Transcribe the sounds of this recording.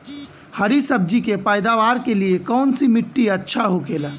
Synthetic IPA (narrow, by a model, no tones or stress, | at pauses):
həɾisəb̚d͡ʒikepaːɪd̪aʋaːɾkeliekɔːnsimɪʈːiətːʃʰaɦokeːla